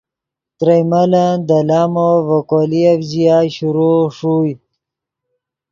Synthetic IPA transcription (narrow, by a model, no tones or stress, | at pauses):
t̪ɾajmaland̪alaːmovakoliavzijaɕuɾoʂuj